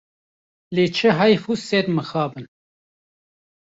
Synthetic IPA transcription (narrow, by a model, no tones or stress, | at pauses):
leːt͡ʃʰəɦɑjfusɛɾməxɑːbɨn